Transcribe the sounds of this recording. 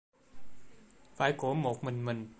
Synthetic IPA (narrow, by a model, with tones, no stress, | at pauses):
faː˨˦jko˨˩˦mo˨˩k̚mɨ˨˧˩nmɨ˨˩n